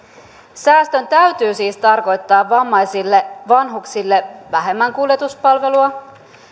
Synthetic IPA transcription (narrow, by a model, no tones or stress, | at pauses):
sæːst̪ø̞nt̪æɥt̪yːsiːst̪ɑrko̞jt̪ːɑːʋʋɑmːɑjsilːeʋɑnɦuksilːe̞ʋæɦe̞mːæŋkulje̞t̪uspɑlʋe̞luɑ